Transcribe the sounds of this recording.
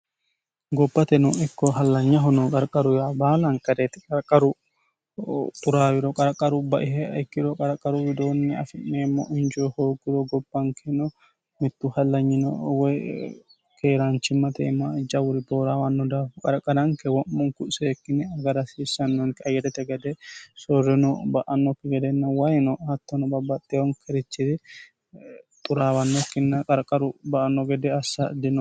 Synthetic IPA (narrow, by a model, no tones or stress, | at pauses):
ɡɔbːɐt̪ɛnɔɪkːɔɦɐlːɐɲːɐɦɔnɔkʼɐɾkʼɐɾʊjaːbaːlɐŋkʼɐɾɛt̪ɛ̥kʼɐɾkʼːɐɾʊ | t̪ʼʊɾaːwɪɾɔkʼɐɾɐkʼːɐɾʊbɐʔɪɦɛɐɪkːɪɾɔkʼɐɾɐkʼːɐɾʊwɪd̪oːnːɛɐ̰fɪnːeːmːɐ̰ʔʊnd͡ʒohoːɡːɪɾɔɡɔb̥ːɐŋkʰɛnɔ | mɪt̪ːʊhɐlːɐɲːɪnɔ̰wɛ | kʰeːɾant͡ʃɪmːɐt̪ḛːmːɐd͡ʒɐwʊɾɪboːɾawɐnːɔd̪aːkʼɐɾkʼːɐdɐŋkɛwɔʔmɔŋkʊsɛɛkːɪnɛɐɡɐɾɐsisɐnːɔŋkɐjːɛt̪ɛt̪ɛɡɐd̪ɛsɔrːɛnɔbɐʔɐnːɔkːɪɡɛd̪ɛnːɐwɐjnɔhɐt̪ːɔnɔbɐbɐt̪ʼːɛwɔŋkʰɛɾɪt͡ʃːɪd̪ɪ | t̪ʼʊɾaːwɐnːɔkːɪnːɐkʼɐɾkʼːɐɾʊbɐʔɐnːɔɡɛd̪ɛɐsːɐd̪ɪnɔ